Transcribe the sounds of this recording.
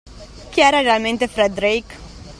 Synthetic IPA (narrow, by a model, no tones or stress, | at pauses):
kiɛːɾɐɾɛɐlmɛnt̪efɾɛd̪ɾiːk